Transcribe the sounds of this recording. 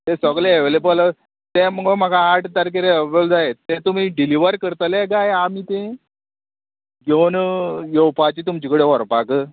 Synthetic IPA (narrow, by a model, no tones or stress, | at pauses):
t̪ẽsɔɡleeʋlebələ | t̪eməɡom̤aɡaaʈd̪aɾk̬eɾebəld͡zajet̪ẽt̪um̤iːɖiliʋəɾkəɾt̪əleɡajamit̪ẽ | ɡenjowpat͡ɕiːt̪umt͡ɕikəɽeʋɔɾpakə